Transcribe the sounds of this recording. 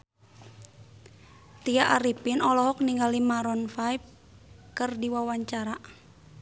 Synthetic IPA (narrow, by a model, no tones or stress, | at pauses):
t̪iaʔaɾipinɔlɔɦɔk̚niŋɡalimaɾɔnfajp̚ | kərdiwawaɲt͡ʃaɾa